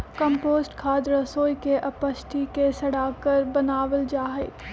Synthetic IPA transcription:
kə̃mpoːsʈkʰaːd̪ɾəsoːjkeʔɐpəʃʈʰikesɐɽaːkəɾbɐnaːʋəld͡ʒaːɦeː

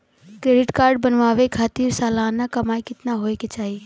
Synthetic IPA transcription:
kɾeːɖɪʈkaːɾɖ̚bənʋaːʋekʰaːt̪iːɾsaːlaːnːakɐmaːikɪt̪naɦoːeket͡ʃaːɦie

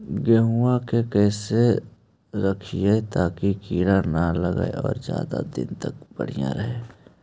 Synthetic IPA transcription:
ɡɛɦuakekɛːse | ɾəkʰijet̪aːkikiːɽanaləɡa̰ḛɔːɾzja̰ːd̪a̰d̪ɪ̰nt̪ək̚b̥ə̰ɽ̤ijã̰ɾəɦeː

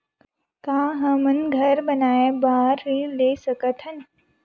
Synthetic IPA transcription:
kaːɦɐmənɡʱɐɾbɐnaːebaːɾɦileːsɐkət̪ʰɐn

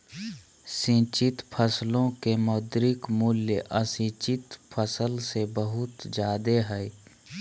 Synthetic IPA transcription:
sĩːt͡ʃɪt̪pʰəslõkemoːd̪ɾɪkmʊljəʔəsĩːt͡ʃɪt̪pʰəsəlsebəɦʊt̪d͡ʒaːd̪eɦɛi

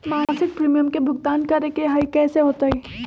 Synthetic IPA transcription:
maːsɪk̚pɾiːmijəmkebʱʊɡt̪aːnkɐɾekeɦaikɛːseɦoːt̪aiː

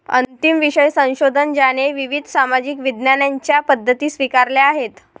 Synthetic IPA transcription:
ə̰nt̪imʋiɕəjsə̃w̃ɕod̪ʱənd͡ʑañeʋiʋid̪ʱsamad͡ʑikʋid̪njanjaɲt͡ɕjapəd̪ʱːət̪iːsʋikaɾleaɦet̪

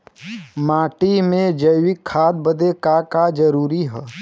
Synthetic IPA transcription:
maːʈimẽd͡ʒəjwɪkʰːaːd̪̚bəd̪ekakad͡ʒəɾuːɾiɦɛː

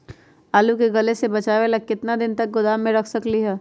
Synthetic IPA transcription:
aːlukeɡɐlesebɐt͡ʃaːʋelɐk̚kɪt̪nad̪ɪnt̪ɐk̚ɡʊd̪aːmːẽɾɐkʰsɐkliɦɛː

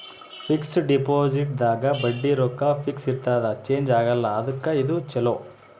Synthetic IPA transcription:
pʰiksɖipoːd͡ʒiʈ̚d̪aːɡɐbɐɖːiɾɔkːɐpʰiksiɾt̪aːd̪ɐt͡ʃe̞ːɲd͡ʒaːɡɐlːɐːd̪ɐkːɐid̪ut͡ʃɛlo

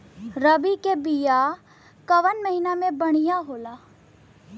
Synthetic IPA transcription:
ɾəbikebija | kəʋənməɦinamẽbɐɽ̃ijaɦoːlaː

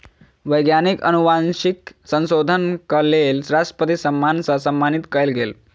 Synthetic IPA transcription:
ʋəjɡnjanikə̰nuʋanɕiksə̃nsod̪ʱənkəlelsɾasʈə̥pət̪isəmːansəsəmːanit̪kəelɡel

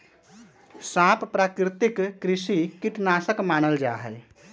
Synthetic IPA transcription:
sãppɾakɾit̪ikːɾisikiʈnasəkmanəld͡ʒaɦɛj

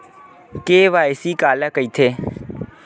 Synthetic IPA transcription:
keːʋaːɪsiːkaːlaːkəiːt̪ʰeː

